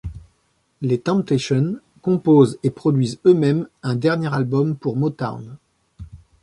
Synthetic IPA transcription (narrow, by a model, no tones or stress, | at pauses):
let̪ɑ̃p̚t̪eʃɔn | kɔ̃pozepχɔd̪ɥizømɛmɛ̃d̪ɛʁnjeʁalbɔmpuʁmɔt̪a̰ʁn